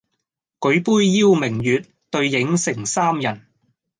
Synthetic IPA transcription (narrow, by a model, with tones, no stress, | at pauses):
kɵ˨˥ɥpuː˥jjiː˥wmɪ˨˩ŋjyː˨t̚ | t̪ɵ˧ɥjɪ˨˥ŋsɪ˨˩ŋsaː˥mjɐ˨˩n